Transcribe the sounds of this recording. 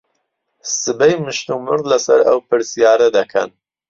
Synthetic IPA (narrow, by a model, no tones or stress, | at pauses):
sɨbɛjmɨʃnumɨɾd̪lɐsɐ̰ɾɐ̰wpɨɾsijaːɾɐd̪ɐkʰɐ̰n